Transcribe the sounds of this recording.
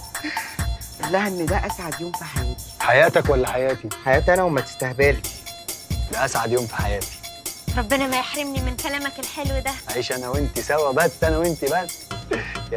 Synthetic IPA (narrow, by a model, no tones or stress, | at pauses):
ʔolːæhæʔenːed̪æʔæsʕad̪joːmfiħajæːt̪i̥ħajæːt̪ækwælːæħajæːt̪iħajæːt̪iʔænæwemæt̪e̥st̪æhbælt̪ | læʔæsʕad̪joːmfi̥ħajæːt̪i̥ɾˤɑbːenæmæjeħɾemnimenkælæːmækelħelwd̪æʔaʕiːʃʔænæwent̪isæwæbæst̪ːʔænæwent̪ibæʔs